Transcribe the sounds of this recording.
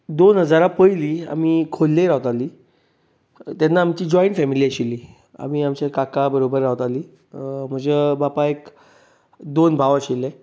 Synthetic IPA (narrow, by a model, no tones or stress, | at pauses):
d̪onɦəd͡zaɾapəjliːa̰mikʰolːẽɾawt̪aliː | t̪janːaːmt͡ɕiːd͡ʑɔiɳʈfɛmiliːəɕilːiː | a̰miamt͡ɕekakabəɾobəɾːawt̪aliː | m̤ə̃d͡zebapaek | d̪onbʱaʋəɕilẽ